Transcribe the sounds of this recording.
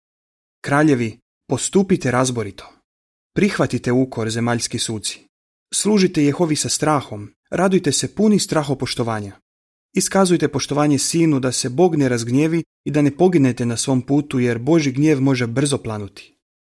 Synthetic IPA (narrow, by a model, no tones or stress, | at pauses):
kɾaːʎe̞ʋi | po̞st̪uːpit̪e̞ɾazboɾit̪ʰo̞̥ | pɾixʋat̪it̪e̞ukʰo̞ɾze̞maʎskisuːt̪si̥ | slˠuːʒit̪e̞jexo̞ʋisast̪ɾaːxo̞m | ɾʔad̪ujt̪e̞se̞punist̪ɾaːxo̞po̞ʃt̪o̞ʋaːɲa | iskazujt̪e̞po̞ʃt̪o̞ʋaːɲe̞siːnud̪ase̞bo̞ːɡne̞ɾazɡɲe̞ːʋi | id̪ane̞po̞ɡine̞t̪e̞nasʋo̞mpuːt̪uje̞ɾbo̞ʒiɡɲje̞ːʋmo̞ʒe̞br̩zo̞plˠanut̪i̥